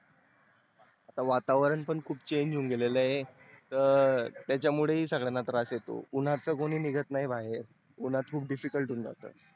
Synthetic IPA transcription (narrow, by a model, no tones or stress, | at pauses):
at̪aʋat̪aʋɾəɳpəɳkʰuːpt͡ɕeɲd͡ʑuːŋɡeleləɦe | t̪əɾt̪jat͡ɕjamuɭeɦiːsəɡɭanat̪ɾasjet̪o̰un̤at͡səkoɽ̃iːniɡət̪naɦibaɦeɾ | un̤at̪kʰuːp̚ɖifikəlʈuːŋɡa̰t̪ə̰ː